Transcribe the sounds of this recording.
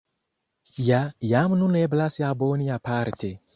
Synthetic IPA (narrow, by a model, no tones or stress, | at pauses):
jajamnunɛblasjaboniapartʰe